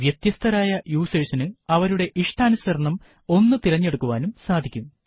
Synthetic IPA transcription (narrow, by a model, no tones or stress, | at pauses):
ʋjet̪jɐst̪ʰɐɾaːjɐjuːseːʂinɨɐʋɐɾuɽe̞ʔiʂʈaːnusɐɾɐɳɐm | o̞nːɨt̪iɾɐɲːe̞ɽukːuʋaːnumsaːd̪ʱikʲːum